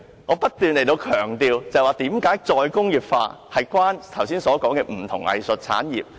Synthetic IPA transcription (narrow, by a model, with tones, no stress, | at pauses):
ŋɔː˨˧pɐ˥t̚t̪yː˨nle˨˩jt̪o˧wkʰœː˨˩ŋt̪iː˨˧wt͡sɐ˨jwaː˨t̪iː˨˥mkaː˨˥jt͡sɔː˧jkʊ˥ŋjiː˨˩p̚fa̰ː˧hɐ˨jkwaː˥nt̪ʰɐ˨˩wsiː˥nsɔː˨˥kɔː˨˥ŋkɛː˧m̩˨˩t̪ʰʊ˨˩ŋɐ̰˨˧jsɵ˨t̚t͡sʰa̰ː˨˥njḭː˨˩p̚